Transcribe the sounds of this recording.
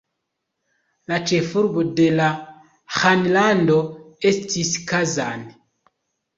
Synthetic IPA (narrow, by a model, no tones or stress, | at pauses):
lat͡ʃefuɾbudɛla | xanilandɔestisi̥kaza̰ni